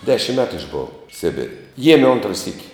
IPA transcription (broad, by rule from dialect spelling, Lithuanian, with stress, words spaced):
ˈdʲæːʃʲɪm ˈmʲæːtʊ ɪʒˈboːʋɐ ˈsʲɪbʲɪrʲ ˈjiɛmʲɛ ˈoːntrɐ sʲiːkʲ